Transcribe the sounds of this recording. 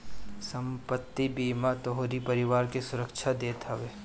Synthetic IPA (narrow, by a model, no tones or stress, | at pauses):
sɐ̃mpət̪ːibiːmat̪oɦoɾipɐɾɪʋaːɾkesʊɾəkʃʰad̪eːt̪ɐʋeː